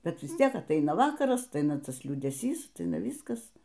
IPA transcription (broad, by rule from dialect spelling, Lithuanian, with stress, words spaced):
ˈbʲɛt ˈʋʲɪs ˈtʲiɛk ɐtˈɐɪnɐ ˈʋɑːkɐrɐs ɐtˈɐɪnɐ ˈtɐs lʲuːdʲɛˈsʲiːs ɐtˈɐɪnɐ ˈʋʲiːskɐs